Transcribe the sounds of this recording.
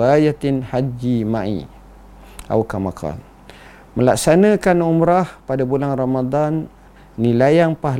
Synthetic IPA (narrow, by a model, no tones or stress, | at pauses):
ajat̪ɪnhad͡ʒimãʔḭ | a̰wkamaka̰l | məlaksanə̃kanumɾahpadabulaŋramad̪anː | ilajaŋpaɦ